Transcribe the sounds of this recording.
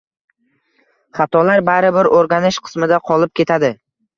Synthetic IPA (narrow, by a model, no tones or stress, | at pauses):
χat̪ʰɒlaɾbaɾɪbɪɾoɾɡʲanɪʃqʰɨ̥smɪd̪aqʰɒlˠɪp̚kʲe̞t̪ʰad̪ɪ